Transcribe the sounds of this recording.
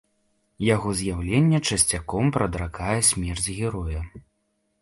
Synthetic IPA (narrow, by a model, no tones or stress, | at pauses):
jaɣɔzʲjawlʲenʲːɛt͡ʂɐsʲt͡sʲakɔmpɾɐd̪ɾakajɛsʲmʲɛrd͡zʲɣʲɛɾɔjɐ